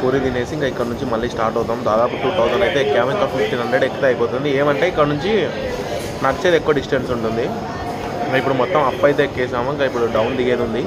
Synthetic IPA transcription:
kuːɾid̪ineːsiŋkɐikːɐɽɐnuɲt͡ʃimɐlːiːsʈaːɾʈɐwt̪ːaːmd̪aːd̪aːpuʈuːt̪ɐwsɐnɐjt̪e̞ːkaːmit̪aːpʰipʈiːnɦɐɳɖeɖekːɐt̪eɐjipoːt̪und̪ieːmɐɳʈe̞ːikːɐɽɐnuɲt͡ʃi | nɐɾt͡ʃeːd̪ekːuʋɐɖisʈensuɳʈund̪i | ip̬ːuɽumɔt̪ːɐmɐpːɐjt̪eːkːeːsaːmɐiŋkaipːuɽuɖɐwnd̪iɡe̞ːd̪und̪i

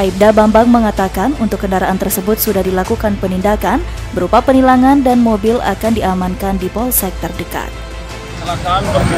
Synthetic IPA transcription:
ʔaip̚dabambaŋməŋat̪akanunt̪ʊkːəndaɾaʔant̪ərsəbʊt̪̚sudahdilakukanpənindakan | bəɾupapənilaŋandanmobɪla̰kandiamankandipɔlsɛk̚t̪ərdəka̰t̪̚

